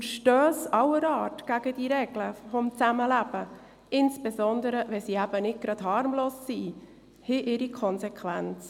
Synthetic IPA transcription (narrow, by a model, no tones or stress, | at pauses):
ʃtøːsɑwəɾɑːtɡ̥æɡ̥əd̥iɾɛɡləfomt͡sæməlæb̥ə | ʔɪnsb̥ezɔnd̪əɾəvɛsiːæb̥ənɪd̚ɡ̥ɾɑd̥hɑɾmloːsːiː | hɪʔɪɾikʰɔnsɛkʰʋænt͡s